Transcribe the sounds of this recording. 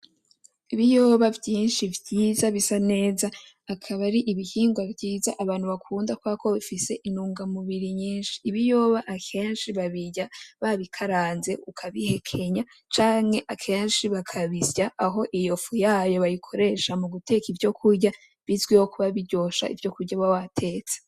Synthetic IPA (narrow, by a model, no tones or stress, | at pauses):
iβijo̞ːβavjiːnʃivjiːzaβisane̞ːzaː | kʰaβaɾiʔiβihiːŋɡwavɟiːzaʔaβaːn̥huβakʰuːndakwakʰoβifise̞ʔinuːŋɡamuβiɾiɲiːnʃi̥ːβijo̞ːβaʔakʰe̞ːnʃiβaβiɟaβaβikʰaɾaːnze̞ʔukʰaβihe̞kʰe̞ɲa | t͡ʃaːŋhe̞ʔakʰe̞ːnʃiβakʰaβizjaːɦo̞ʔijo̞fujaːjo̞βajikʰo̞ɾe̞ʃamuɡutʰe̞kivjo̞kʰuɾɟa | βizɡwiwokuβaβiɟo̞ʃa̰ʔḭvjo̞kuɾɟaβawatʰe̞ːt͡se̥